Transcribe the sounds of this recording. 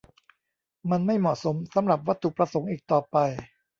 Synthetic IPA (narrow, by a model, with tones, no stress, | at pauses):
ma˧nma˥˩jmɔ˨˩t̪̚so˩˦msa˩˦mɾa˨˩p̚wa˦˥t̪ʰːu˨˩pɾa˧so˩˦ŋʔiː˨˩k̚t̪ɔː˨˩pa˧j